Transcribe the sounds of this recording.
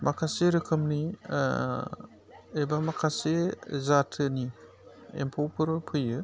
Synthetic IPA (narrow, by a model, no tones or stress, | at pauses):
makʰaseɾɯkʰɯmni | ebamakʰasezatʰɯni | ḛmpʰawpʰɯɾpʰɯjɯ